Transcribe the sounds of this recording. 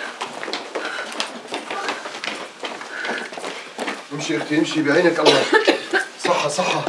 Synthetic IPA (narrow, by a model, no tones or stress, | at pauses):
ʔɪmʃiʔɪxt̪iɪmʃibiʕiːnækʔɑlˤːɑ | sˤɑħːɑsˤɑħːɑ